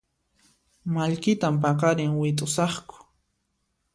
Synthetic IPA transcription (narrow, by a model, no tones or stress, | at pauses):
maʎkɪt̪amp̬aqɑɾɪŋwɪt̪ʼʊsɑχkʊ̥